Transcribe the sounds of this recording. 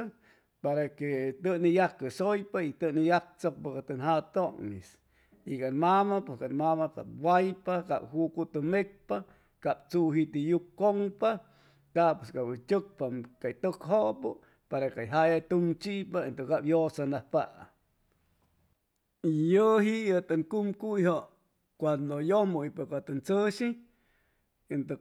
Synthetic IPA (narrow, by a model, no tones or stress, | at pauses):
paɾaket̪ɨnijakːɨsojpait̪ɨnijak̚t͡sok̚pakat̪ɨnɦat̪oŋis | ikanmamaposkanmamaka̰pwajpaka̰phukut̪ɨmek̚pa | kapt͡suɦit̪ijukːoŋpa | kapweskawit͡ʃʲɨk̚pakajt̪ɨkɦoʔpɨ | paɾakajɦajat̪uŋt͡ʃiʔpaent̪ɨkapjosanahpaʔ | ijəɦiət̪ɨŋkumkujɦo | kwand̪ojomujpakat̪ɨnt͡sɨʃi | ent̪ɨ